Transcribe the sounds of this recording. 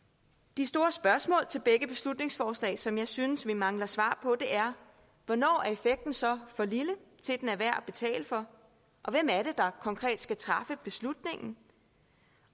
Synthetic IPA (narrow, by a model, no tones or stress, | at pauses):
d̥isd̥o̝ːɐsb̥ɶɐsmɔ̰̽ːlt͡sʰe̝lb̥eɡ̥əb̥e̝slud̥ne̝ŋsfɒːslɛ̰ːsɒ̽mjɑ̈ɪsynəsʋimɑ̈ŋlɐsʋɑ̰̈ːpʰɒ̽d̥e̝ʔæɐ | ʋɒ̽nɒ̰ːæɐe̝feɡ̥̚d̥n̩sɒ̽fɒ̽lilət͡sʰe̝d̥enæʋæɐ̰b̥e̝t͡sʰɛ̰ːləfɒ̽ | ʔɒ̽ʋem̰æɐɾe̝d̥ɑ̈kʰɒ̽ŋkʰʁɛ̰ːd̥sɡ̥æt͡sʰʁɑ̈fəb̥e̝slud̥ne̝ŋ̰n̩